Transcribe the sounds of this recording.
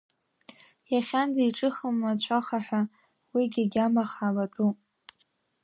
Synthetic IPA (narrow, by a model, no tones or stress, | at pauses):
jaχʲand͡zaiʈ͡ʂʼɨχəmat͡ɕʷʰaχaħʷa | wiɡʲaɡʲamaχalatʼu